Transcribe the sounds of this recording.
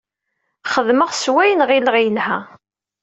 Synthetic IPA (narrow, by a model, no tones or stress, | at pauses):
χəðməʁswæjənʁilʁijəlhæ